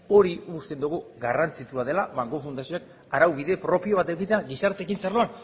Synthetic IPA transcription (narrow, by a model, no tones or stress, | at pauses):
o̞ɾiust̪e̞nd̪uɣ̞uɣarant͡sit͡ʃ̪uað̞e̞laβaŋɡofund̪asioak | aɾawβiðe̞pɾo̞pio̞β̞at̪ekit̪eaɣisaɾt̪e̞kinsaɾloan